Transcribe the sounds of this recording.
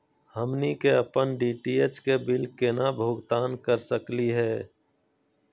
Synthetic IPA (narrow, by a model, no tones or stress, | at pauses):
həmnikeəpənɖiːʈiːet͡ʃkebɪlkenabʱoːɡt̪aːnkəɾsəkliɦɛː